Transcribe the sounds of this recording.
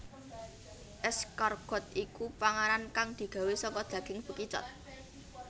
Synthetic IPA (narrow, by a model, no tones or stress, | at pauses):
ʔɛskarɡ̥ɔ̤t̪̚ikupaŋaɾankaŋd̪̥i̤ɡ̥ä̤wesɔŋkɔd̥d̪̥ä̤ɡ̥ɪŋb̥ə̤kit͡ʃɔ̰t̪̚